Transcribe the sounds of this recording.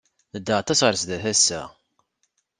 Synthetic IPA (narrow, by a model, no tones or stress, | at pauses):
θəd̪ːəʁat̪ːæsʁəɾsðæθæsːæ̰